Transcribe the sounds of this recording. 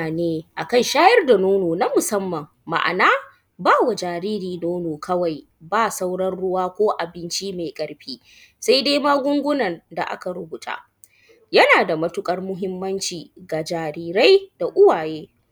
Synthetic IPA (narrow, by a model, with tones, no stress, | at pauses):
a˨neː˦ʔa˨kɐ˦nʃaː˦jɐ˦rda˨noː˦noː˨na˦mʊ˨sɐ˦mːɐ˨mːa̰˨ʔa̰˨naː˦ | baː˦wa˨d͡ʒaː˨ɾiː˦ɾiː˨noː˦noː˨kʰɐ˦wa˨j | baː˦sa˦wɽɐ˦nɽʊ˦waː˦kʷoː˦ʔa˨bɪ˦nt͡ʃi˦ma˨kʼɐ˦ɽɸiː˦ | sa˦jde˦maː˦ɡʷʊ˦ŋɡʷʊ˦nɐ˨nda̰˨ʔa̰˦ka˨ɽʊ˦bʊ˨t͡ʃʼa̰ː˨ | jɐ˦naː˨da˨mɐ˦tʊ˦kʼɐ˦rmʊ˦ɦɪ˦mːɐ˦nt͡ʃiː˨ɡa˨d͡ʒaː˨ɾiː˦ɾa˦jd̥a˨ʔʊ˦waː˨jeː˦